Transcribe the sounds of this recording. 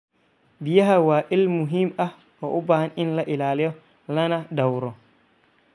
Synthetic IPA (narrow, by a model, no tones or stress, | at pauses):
bijaɦawaʔilmuɦima | ɔʔubahaninlaʔilaːlɛjɔ | lanadawɾɔ